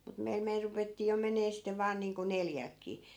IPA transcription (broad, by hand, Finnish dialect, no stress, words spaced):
mut meil meil rupetːiː jo meneː sitːeʋ̆ ʋɑːn niːŋko neljælkːiː